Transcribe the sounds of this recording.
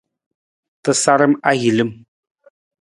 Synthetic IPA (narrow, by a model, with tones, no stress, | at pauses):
t̪ɨ˨sa˦ɾɨ˦ma˦ɣi˨lɨ˦m